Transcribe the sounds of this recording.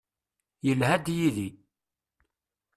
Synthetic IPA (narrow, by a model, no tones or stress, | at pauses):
jəlhæd̪jiði